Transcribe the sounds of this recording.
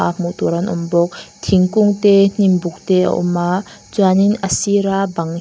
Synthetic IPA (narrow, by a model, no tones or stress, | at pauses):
amut̪ɔɾanʔɔ̰mbɔk̚t̪ʰiŋkuŋt̪ɛn̥imbuk̚t̪ɛə̰ʔɔ̰mat͡saninəsiɾabaŋ